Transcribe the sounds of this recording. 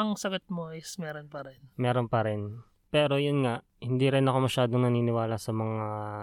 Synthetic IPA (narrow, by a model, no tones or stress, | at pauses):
ɐŋsɐɡot̪̚moɪsmɛːɾonpɐɾɛnmɛːɾonpɐɾɪn | pɛːɾo̞jʊnŋaʔ | hɪnd̪iɾɪnɐkomɐʃaːd̪oŋnɐniːnɪwaːlɐsɐmɐŋa